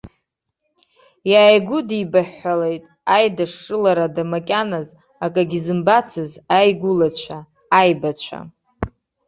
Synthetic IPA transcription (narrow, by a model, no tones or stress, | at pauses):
jaːjɡʷʊdibaħːale̞jtʼ | ajdaʂɨlaɾadamakʲʼanaz | akʼaɡʲizɨmbat͡sʰɨzajɡʷʊlat͡ɕʷʰaː | jbat͡ɕʷʰa̰